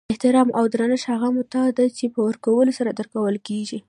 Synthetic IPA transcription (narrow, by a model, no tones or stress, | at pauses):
ɪht̪ɪɾɑmʔawd̪ɾanɪʃhaɣamʊt̪ɑd̪at͡ʃepəwəɾkawəlosaɾad̪əɾkawəlkeʒi